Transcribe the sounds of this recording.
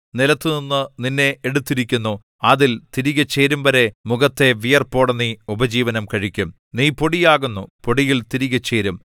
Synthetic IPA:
nilɐt̪ːɨninːɨninːe̞eɽut̪ːiɾikʲːunːu | ɐðilt̪iɾiɣɐt͡ɕːeːɾumʋɐɾe̞muɣɐt̪ːe̞ʋijɐrpo̞ːɽɐnːiubɐd͡ʑiːʋɐnɐmkɐɻikʲːum | niːpo̞ɽijaːɣunːupo̞ɽijilt̪iɾiɣɐt͡ɕːeːɾum

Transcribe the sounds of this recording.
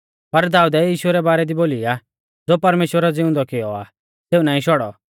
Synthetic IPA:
pɐɾd̪aːud̪ɛjiːʃʊɛɾɛbaːɾɛd̪iboːlia | d͡zoːpɐɾmeːʃwəɾad͡zɪʊ̃nd̪ɔkɪɔaː | teːunaːĩʃɔɽɔ

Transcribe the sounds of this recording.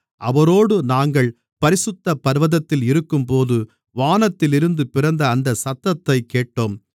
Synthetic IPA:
ʔɐʋɐɾoːɽɯnaːŋɡɐɭ | pɐɾɪsɯt̪ːɐpːɐɾʋɐðɐt̪ːɪlɪɾɯkːɯmpoːðɯ | ʋaːnɐt̪ːɪlɪɾɯnd̪ɯpɪrɐnd̪ɐːnd̪ɐsɐt̪ːɐt̪ːɐɪkːeːʈːoːm

